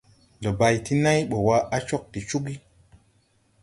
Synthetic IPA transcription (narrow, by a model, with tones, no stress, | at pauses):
lo˨ba˨jti˦na˦jɓo˨wa˦a˦t͡ʃo˦k̚ti˨t͡ʃu˦ɡi˦